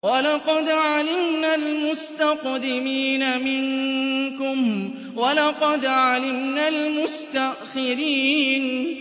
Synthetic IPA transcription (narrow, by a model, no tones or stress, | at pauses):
walɑqɑd̪ʕalɪmnalmʊst̪aqd̪ɪmiːnamɪŋkʊm | walɑqɑd̪ʕalɪmnalmʊst̪aʔxɪɾiːn